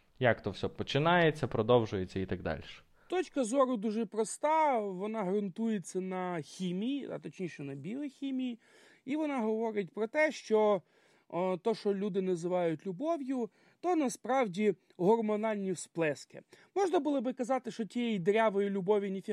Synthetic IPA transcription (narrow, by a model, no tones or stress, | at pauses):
jakt̪ɔwsʲɔpɔt͡ʃɪnɑjet͡sʲːɐpɾɔd̪ɔwʒʊjet͡sʲːɐit̪ɐɡd̪ɑ̰lʲʃɛ̥ | t̪ɔt͡ʃkɐzɔɾʊd̪uʒɛpɾɔst̪ɑʋɔnɑɦɾɐnt̪ujet͡sʲːɐnɐxʲimʲijiɐ̰t̪ɔt͡ʃnʲiʃɛnɐbʲilˠɔxʲimʲiji | iʋɔnɑɦɔʋɔɾɪt̚ʲpɾɔt̪ɛʃt͡ʃɔ | t̪ɔʃɔlʲud̪ɪnɐzɪʋɑjʊtʲlʲʊbɔʋjʊ | t̪ɔnɐspɾɑwdʲi | ɦɔrmɔnɑlʲnʲisplˠɛskɪ̰mɔʒnɐbʊlˠɔbɪkɐzɑt̪ɪʃt͡ʃɔtʲijɛjid̪ɾʲaʋɔjilʲʊbɔʋʲinʲifʲi